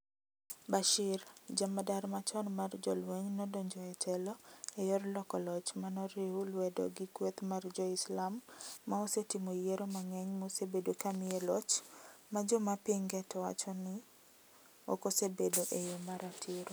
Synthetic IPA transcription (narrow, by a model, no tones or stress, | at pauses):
baʃɪrd͡ʒamadaɾmat͡ʃɔnmard͡ʒɔ̰lweɲnɔdɔɲd͡ʒɔɛtʰɛlɔejɔrlɔkɔlɔt͡ʃmanɔɾeulwɛdɔ̰ɡɪkwet̪mard͡ʒɔɪslamːaosetimojeɾomaŋɛɲmosebedokamɪɛlɔt͡ʃmad͡ʒɔmapiŋɡɛtɔwa̰t͡ʃɔnɪ | o̰kosebedoʔejomaɾatʰɪɾo